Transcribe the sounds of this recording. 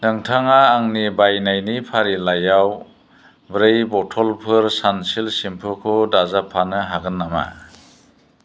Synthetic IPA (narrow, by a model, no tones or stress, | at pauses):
nɯŋtʰaŋaːŋnibajnajnipʰaɾilajaw | bɾɯjbɔtʰɔlpʰɯɾsansilsimpʰɯkʰɔdazapʰanɯɦaɡɯnːama̰